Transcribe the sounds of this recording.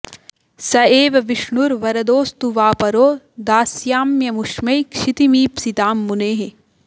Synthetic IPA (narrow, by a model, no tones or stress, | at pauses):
sɐeːʋɐʋiʂɳuɾʋɐɾɐd̪oːst̪uʋaːpɐɾoː | d̪aːsjaːmjɐmuʂmɐjkʂit̪imiːpsit̪aːmːuneːɦe